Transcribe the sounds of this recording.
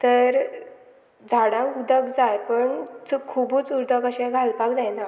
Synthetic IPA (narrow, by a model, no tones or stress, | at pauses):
t̪əɾ | d͡zʱaɽãŋkud̪əkd͡zaɾpəɳt͡skʰubut͡suɾd̪əkəɕɛ̃ɡʱalpakd͡zajna